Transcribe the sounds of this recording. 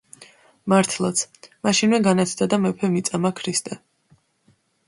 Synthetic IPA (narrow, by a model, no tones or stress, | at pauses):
maɾt̪ʰlˠat̪sʰmaʃinmɛɡanat̪sʰd̪ad̪amɛpʰɛmit̪sʼamakʰɾist̪ʼɛ